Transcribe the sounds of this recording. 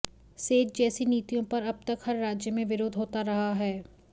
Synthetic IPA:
seːd͡ʒ̪̚d͡ʒɛːsiniːt̪ijõpɐɾɐb̚t̪ɐkhɐɾːaːd͡ʒjəmẽʋɪɾoːd̪ʱɦoːt̪aɾɐɦaɦɛː

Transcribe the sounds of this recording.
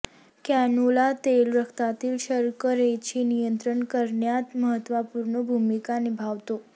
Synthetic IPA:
kɛnulat̪elɾəkʰt̪at̪iːlʃəɾkəɾet͡ɕʰinijənt̪ɾəɳkəɾɳjat̪məɦət̪ʋapuɾɳobʱumikanebʱaʋt̪o

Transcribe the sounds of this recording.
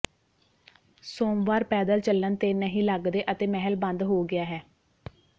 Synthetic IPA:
soːmʋaːɾpɛːd̪əlt͡ʃəlːənt̪eːnəɦĩːləɡd̪eːʔət̪eːmɛɦəlbə̃nd̪ɦoːɡɪaːɦɛː

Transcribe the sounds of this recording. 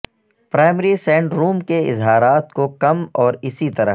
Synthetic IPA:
pɾaːɪmɾisɛ̃ːɳɖɾuːmkeɪ̰zɦaːɾaːt̪kokɐmɔːɾɪsit̪ɐɾə̰

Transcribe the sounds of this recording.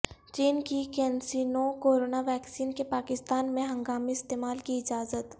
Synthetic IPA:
t͡ʃiːnkikɛːnsiːnõkoːɾoːnaʋɛːksiːnkepaːkɪst̪aːnmẽɦɐ̃ŋɡaːmiɪst̪eːmaːlkiɪd͡ʒaːzət̪

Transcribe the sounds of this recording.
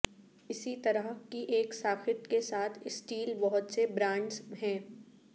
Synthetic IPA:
ɪsit̪ɐɾəɦkiʔeːksaːkʰɪt̪kesaːt̪ʰɪsʈiːlbɐɦʊt̪sebɾãːɳɖzɦɛ̃ː

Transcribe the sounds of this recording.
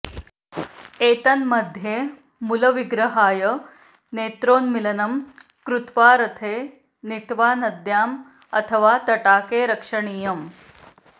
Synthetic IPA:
eːt̪ɐnmɐd̪ʱje | muləʋiɡɾəɦaːjə | neːt̪ɾoːnmilɐnɐmkɾut̪ʋaːɾɐt̪ʰeː | nit̪ʋaːnɐd̪jaːm | ɐt̪ʰəʋat̪ɐʈaːkeːɾɐkʂəɳiːjɐm

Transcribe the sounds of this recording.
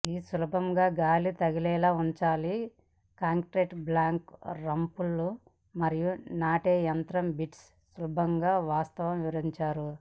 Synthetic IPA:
iːsulɐbɐmɡaːɡaːlit̪ɐɡilɛːlaːuɲt͡ʃaːli | kaːŋkɾeːʈblaːŋkɾɐmpulːu | mɐɾijunaːʈeːjɐnt̪ɾɐmbiʈsː | ulɐbʱɐŋɡaːʋaːst̪ɐʋɐmʋiʋɐɾɐd̪iɲt͡ʃaːɾu

